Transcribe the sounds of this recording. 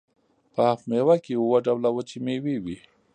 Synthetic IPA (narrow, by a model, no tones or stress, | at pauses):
paafmewakiuwaɖawlawət͡ʃimewiwi